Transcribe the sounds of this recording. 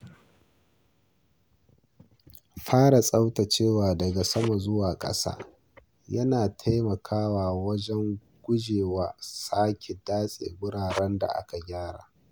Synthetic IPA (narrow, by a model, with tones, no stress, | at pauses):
ɸaː˦ɽa˨sʼa˦wta˨t͡ʃeː˦˨waː˨dɐ˨ɡa˨sɐ˦ma˨zʊ˦waː˨kʼɐ̰˦sa̰ː˦ | jɐ˦naː˨tʰa˦jmɐ˨kʰaː˦waː˨wɐ˦d͡ʒɛ˦ŋ | ɡ̥ʷʊ˦d͡ʒeː˨waː˨˦saː˦kʲe˨daː˦sʼḛ˨bʊ˦ɽaː˨ɽɛ˦nda̰˨ʔa̰˦ka˨ɡʲaː˦ɽa̰ː˨